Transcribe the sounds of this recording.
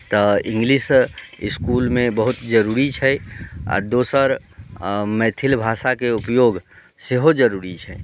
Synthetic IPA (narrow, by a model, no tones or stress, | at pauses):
t̪ɔɪ̃ŋɡlisɪskuːlmẽbəɦʊt̪d͡ʒəɾuːɾit͡ʃʰɛa̰d̪oːsəɾ | mɛːt̪ʰilbʱasakeupjoːɡ | seɦod͡ʒəɾuɾit͡ʃʰɛ